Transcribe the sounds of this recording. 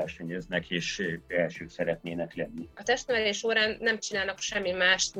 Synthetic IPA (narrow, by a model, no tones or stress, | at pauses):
ɛʃɛɲøznɛkʰeːʃbɛlʃøːksɛɾɛt̪neːnɛklɛnːiɒt̪ɛʃt̪nɛvɛleːʃoːɾaːnːɛmt͡ʃinaːlnɒkʃɛmːimaːʃt̪